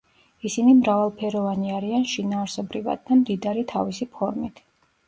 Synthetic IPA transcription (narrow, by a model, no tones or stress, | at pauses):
isinimɾavalˠpʰɛɾɔvaniaɾianʃinaːɾsɔbɾiva̰d̪̚ːamd̪id̪aɾit̪ʰavisipʰɔɾmit̪ʰ